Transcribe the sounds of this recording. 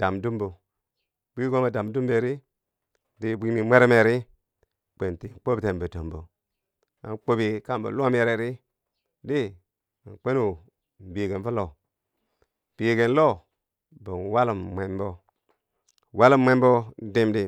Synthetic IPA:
d̥a˨mdu˦mbo˨ | bʷi˦ɡo˦ma˨da˨mdu˦mbe˨ɾi˦ | di˦bʷi˦mi˨mʷe˦ɾe˦me˨ɾi˦ | k͡pe˨nti˨k͡po˦bi˨te˨mbə˨to˨mbo̰˨ | a̰˨nk͡po˦bi˨ka˦mbo̰˨lʷm˦e˨ɾe˨ɾi˦ | di˦˨ | nk͡pe˦nu˦ | m̩˨bi˨ɡe˨nfu˦lo˨ | b̥i˨ɡe˨n˦lo˦ | bo˨n˨wa˦lu˨mmʷe˨nbo˦˨ | wa˦lu˦mmʷe˦mbo˦n˦de˦mdi˦

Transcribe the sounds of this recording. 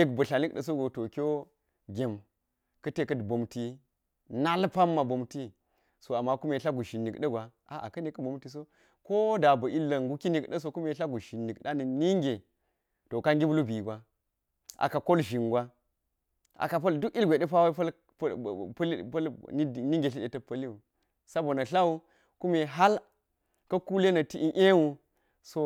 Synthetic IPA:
ni˦kbɐ˨ɬa˨ni˦kɗə˨s̬o˦ɡo˨to˨kʲo˦ | ɡʲe˨m | kɐ˦te˦kɐ˦dbo˨mti˦ | na˦lpa˦mːa˨bo˨mti˦ | so˨a˨mːa˦ku˦me˨ɬa˦ɡu˨ʃi˨nːi˨kɗɐ˦ɡʷa˨ | a˨ʔa̰˨kɐ˦ne˨kɐ˦bo˨mti˨s̬o˦ | ko˦da˨bɐ˨i˦lːɐ˨ŋɡu˦ki˦ni˨kɗɐ˦s̬o˦ku˦me˨ɬa˦ɡu˨ʃi˨nːi˨kɗa˦ni˨ni˦ŋɡʲe˨ | to˨ka˦ŋɡʲi˦bu˦lu˦bi˨ɡʷa˨ | ʔa̰˨ka˨ko˦lʒi˨ŋɡʷa˦ | ʔa̰˨ka˨pɐ˦ldu˦ki˦lɡʷe˨ɗɐ˦pa˦wa˦i˦pɐ˦l | lpɐ˦li˦˨ni˦ŋɡe˨ɬi˦ɗe˨tɐ˨pɐ˦li˦u˨ | sa˦bo˨nɐ˨ɬa˦wu˦ | ku˦me˨ɦa˦l | kɐ˦ku˦le˦nɐ˨ti˦ʔi˦ʔe˦wu˦ | so˦

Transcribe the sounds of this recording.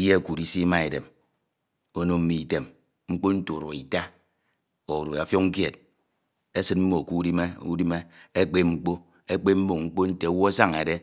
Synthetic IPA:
je˦˨ku˨ɾi˦si˦ma˦e˨dḛ˨m | o˦no˦m̩˦mi˨i˨te˨m | ŋ͡m̩˦k͡po˦n̩˦to˨ɾo˨i˨ta˦ | o˨ɾo˨a˨fjo˦ŋ̩˦kje˨t̚ | e˦sɨ˦tm̩˦mo˨ku˦di˦me˦u˦di˦me˦e˦k͡pe˦ŋ͡m̩˦k͡po˦ | e˦k͡pe˦m̩˦mo˦˨ŋŋ͡m̩˦k͡po˦n̩˦te˨o˨˦wo˦a˦sa˦ŋe˨de˦

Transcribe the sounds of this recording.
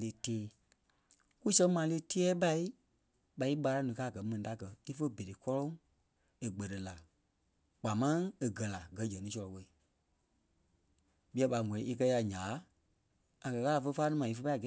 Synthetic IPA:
le˧teː˦ | ku˦sɛ̃˧˦ŋmãː˨˦le˦ti˦ɛː˦ɓa˧i˦ | ɓa˨i˦ɓa˧ɾa˧˦nũ˨˧kaː˦˨ɡɜ˨˦mɛ̃˨nĩ˨ta˧˦˨kɜ˧i˦fə˦be˨ɾe˨kɔ˦lɔ̃˦ŋ | e˨ɡ͡bɜ˨ɾə˨la˨ | k͡pa˨mã˦ŋe˨ɡɜ˨la˨ɡɜ˨˦d͡ʒɛ̃˨nĩ˨˦sɔ˧lɔ˨wɛ˧i˨ | ɓi˦a˧˦ɓa˧˨ŋʷɔ̃˨ĩ˦i˧k̬ɜ˧˦ja˧˨ɲãː˨˦ | a˨kɜ˨ɣa˦a˨fə˧˦˧faː˦nĩ˦mã˨i˧fə˧˦pa˦˨ɡɛ˨˦

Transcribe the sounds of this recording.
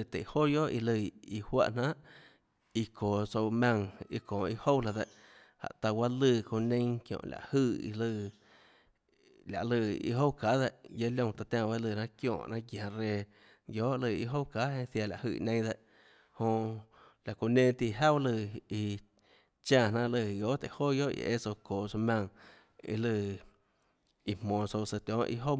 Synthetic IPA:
e˧˨t̪ḛ˨ho˦˨jo˦ʔḭ˧lɨ˧˨i˧hwa̰˦ʔn̥ã˦ʔ | i˧kʰoː˨so˧wmã˧ŋi˧kõː˨i˧ho˦wla˧˨d̪e˧˨ʔ | ha̰˨ʔt̪a˧wa˦lɨ˧˨kõ˧˨nẽ˦ŋkjõ̰˧˨lʲa̰˨ʔhɨ˧˨ḭ˧lɨ˧ | la̰˨ʔlɨ˧ḭ˧ɦo˦wka˨˦ðe˧˨ʔje˦ljõ˧t̪a˧t̪ʲãː˧˨ba˦lɨ˧˨nã˦kjõ̰ː˧˨ʔnã˦ɡjã˨ɾeː˧ | joː˦ʔlɨ˧˨ḭ˧ɦo˦wka˨˦ẽ˧θja˧˨la˨ʔhɨ˧˨nẽ˧˦d̪e˧ʔ | hõ˧la˨ko˧nẽ˧t̪i˧ɦa˦wlɨ˧˨i˧ | t͡ʃã˦˧˨nã˦lɨ˧˨joː˦t̪e˨hoː˦jo˦ʔḭ˧˨ʔḛ˦so˧koː˨so˧mʲã˧˨ŋ | ḭ˧lɨ˧˨ | i˧m̥mõː˨so˧sə˧t̪jɔ̃˨˦ʔḭ˧ɦo˦

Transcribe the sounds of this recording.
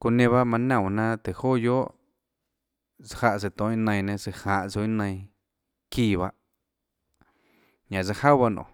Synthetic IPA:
ku˧nẽ˧βa˦mã˧nã˧˨nã˦t̪e˨ho˦jo˦ʔ | t͡sha˧ʔs̬e˧t̪õ˨˦ĩ˦nə̃˧j̃nẽ˧se˧hã˨ʔt͡so˧˦i˦nə̃˧ĩ˧ | kiː˧˨βa˧ʔ | ɲã˨t͡sa˧ha˦wβa˧nõ̰˨

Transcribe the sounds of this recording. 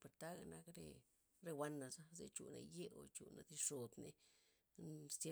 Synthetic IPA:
pe˨ɾt̪a˦ɡa˧na˧kɾḛ˧ | ɾe˧wa˧nːa˨za˦ze˧t͡ʃṵ˨na̰˧je˦o˨t͡ʃṵ˨na˨d̪i˧ʂo˨d̪ne˧ | st̪e˦

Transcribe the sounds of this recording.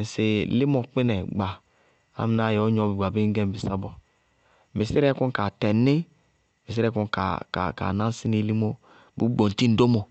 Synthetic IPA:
n˨si˨li˦mɔ˨k͡pi˦nɛ˨ɡ͡ba˨ | a̰˦m˨na˦˨jo˦ɲɔ˨˦˨bi˨ɡ͡ba˨bi˦ŋ˦ɡɛ˦mbi˨sa˦bɔ˨ | mi˨si˦ɾɛ˦ku˦ka˨tɛ˨ni˦ | mi˨s̬i˦ɾɛ˦ku˦nka̰˨ka̰˨ka̰˨nã˦n˦si˦ni˦li˦mo˦ | bṵ˦ɡ͡bo˨n˨ti˦n̩˨˦do˦mɔ˨

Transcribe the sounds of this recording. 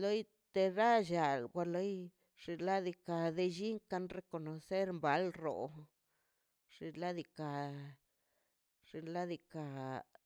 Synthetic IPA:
lo˦j | t̪e˧ɾa˦ʒa˨lɡʷa˧lo˦j | ʂi˧la˦d̪i˧ka˧d̪e˧ʒi˦ŋka˧nɾe˧ko˧no˨se˦ɾmba˨˦lro̰˨ | ʐ̥i˧la˦d̪i˧ka˨ | ʐ̥i˧la˦d̪i˧ka˨

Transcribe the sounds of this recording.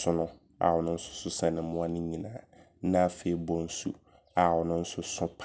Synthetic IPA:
sʊ˦nʊ̃˦ | a̰˨wɔ˨nʊ̃˦n̩˦sʊ̥˦sʊ˦sã˨nɪ̃˨m̩˦ʊ̃˦a˦nʊ̃˦ɲĩ˨nãː˨˦ | nã˦fe˨i˨bɔ˦n̩˦su˦ | a˨wɔ˨nʊ̃˦n̩˦sʊ˦sʊ̃˦pʰ

